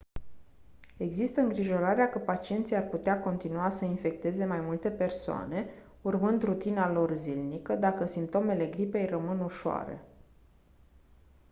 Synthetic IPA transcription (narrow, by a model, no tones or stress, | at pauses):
e̞ɡzist̪əɨŋɡɾiʒo̞ɾaɾeakəpat͡ʃie̞nt̪sijarput̪eako̞nt̪inuasəinfe̞k̚t̪e̞ze̞majmult̪e̞pe̞rsoa̰ne̞ | urmɨnd̪rut̪inalo̞rzilnikəd̪akəsimpt̪o̞me̞le̞ɡɾipe̞jrəmɨnuʃoa̰ɾe̞̰